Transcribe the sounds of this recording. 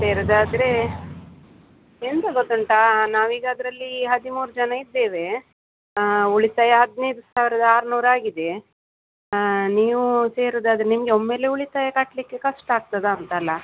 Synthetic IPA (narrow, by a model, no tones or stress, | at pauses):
seːɾɐd̪aːd̪ɾe̞ | ent̪ɐɡot̪ːɐɳʈɐnaːʋiːɡaːd̪ɾɐlːiɦɐd̪imuːɾud͡ʒɐnɐid̪ːe̞ːʋe̞ | uɭit̪aːjɐɦɐd̪neːd̪usaːʋiɾɐd̪ɐaːɾɐnuːɾaːɡid̪e | niːʋuse̞ːɾɐd̪aːd̪ɾenimɐɡeomːe̞ːle̞uɭit̪aːjɐkɐʈlikːekɐʂʈaːɡ̚t̪ɐd̪eɐnt̪ɐlːɐ